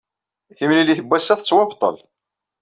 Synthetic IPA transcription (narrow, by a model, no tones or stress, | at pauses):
θimniliθəbːæsːæθt͡sːwæbt̪ˤːə̰l